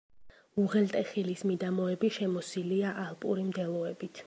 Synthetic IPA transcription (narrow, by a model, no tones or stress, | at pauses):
uʁɛlt̪ʼɛχilismid̪amɔɛbiʃɛmɔsiliaʔalˠpʼṵɾimd̪ɛlˠɔɛbit̪ʰ